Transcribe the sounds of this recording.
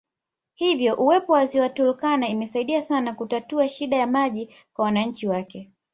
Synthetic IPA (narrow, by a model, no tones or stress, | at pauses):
hivjɔʔuwɛpɔwaziwatulukanaimɛsaiɗiasanakutatuaʃiɗajamaʄi | kwawanaɲ̩t͡ʃiwakɛ